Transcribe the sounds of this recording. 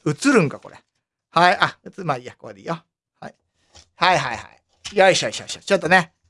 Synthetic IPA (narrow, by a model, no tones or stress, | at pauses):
ɯ̟t͡sɨɾɯ̟̃ŋkako̞̰ɾʔe | haiʔaɯt͡sɨmaijakoa̰d̪eijo | ha̰i | haiɦaiha̰i | jaiɕaiɕa̰iɕat͡ɕot̪ːone